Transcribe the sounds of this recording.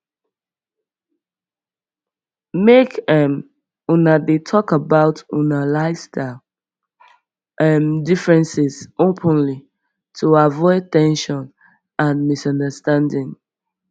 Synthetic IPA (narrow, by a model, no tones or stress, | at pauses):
mekɛm | ũnadetʰɔkəbaʊtũnalaɪsta | ɛmdifɹɛ̃nsɪz̥opʰə̃nli | tʰuavɔɪtɛ̃nʃɔ̃n | ãnmisʌ̃ndəstãndɪ̃ŋ